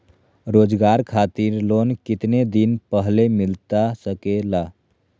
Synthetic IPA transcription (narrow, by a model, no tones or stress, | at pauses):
ɾoːd͡ʒɡaɾkʰat̪iɾlonkɪt̪ned̪inpəɦlemilt̪asəkela